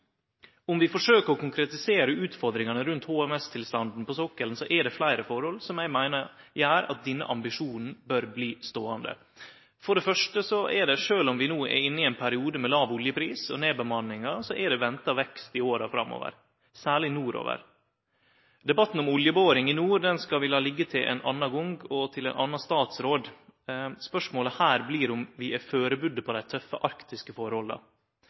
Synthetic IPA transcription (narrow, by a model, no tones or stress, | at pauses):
ʊmʋɪfɔʂøːkəɾɔkʊŋkɾɛt̪ɪseːɾəʉːt̪fɔɾd̪ɾɪŋɑnəɾʉnt̪hoːɛmɛst̪ʰɪlst̪ɑnd̪n̩pʰɔsɔkːəlnsɔʔɛɖɛflæɪɾəfɔɾhɔlsɔmjæɪmæɪnəjæːɾɑ̰t̪̚d̪ɛnːə̰ʔɑmbɪʂuːnn̩bœɾbliːst̪oːɑnd̪ə̰ | fɔɖɛfœʂʈəsɔʔɛɖɛʂøːlɔmʋɪnuːɛ̰ɪnːɪɛɪnpʰæɾɪuːd̪əmɛlɑːʋʊljəpʰɾiːsɔ̰neːbəmɑnːɪŋɑsɔʔɛɖɛʋɛnt̪ɑʋɛkst̪ɪoːɾɑfɾɑ̰mːo̰ːʋə̰ɾ | sæːɭɪnuːɾo̰ːʋə̰ɾ | d̪ɛbɑt̪ːn̩ɔmʊljəboːɾɪŋɪnuːɾd̪ɛnskɑʋɪlɑlɪɡːət̪ʰɪlʔɛ̰nʔɑnːɑɡʊŋɡɔt̪ʰɪlɛnʔɑnːɑst̪ɑːt̪sɾoːd̪ | spœʂmoːləhæːɾbliːɾɔmʋɪʔɛføːɾəbʉd̪ːəpʰɔd̪æɪt̪ʰœfːəʔɑɾkt̪ɪskəfɔɾhɔlɑ̰